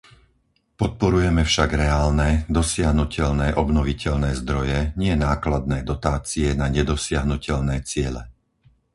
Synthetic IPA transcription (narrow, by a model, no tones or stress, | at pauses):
pɔt̪̚pɔɾujɛmɛfʃaɡɾɛaːlnɛd̪ɔsɪaɦnucɛʎnɛːʔɔbnɔʋicɛʎnɛːzd̪ɾɔjɛɲɪɛnaːklad̪nɛːd̪ɔt̪aːt͡siɛnaɲɛd̪ɔsɪaɦnucɛʎnɛːt͡sɪɛlɛ